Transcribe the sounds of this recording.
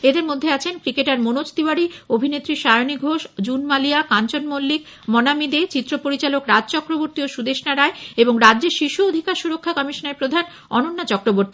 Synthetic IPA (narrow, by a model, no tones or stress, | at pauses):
ed̪eɾmod̪ʱːeat͡ɕʰenkɾikeʈaɾmonot͡ɕt̪ibaɽiobʱinet̪ːɾiʃaeoniɡʱoʃd͡ʑunmaliakant͡ɕonmolːik | mɔnamid̪et͡ɕit̪ːɾopoɾit͡ɕalokɾad͡ʑt͡ɕɔkɾoboɾt̪ioʃud̪eʃnaɾaeeboŋɾadːd͡ʑeɾʃiʃuod̪ʱikaɾʃuɾokʰːakɔmiʃoneɾpɾod̪ʱan | ɔnonːat͡ɕɔkɾoboɾt̪i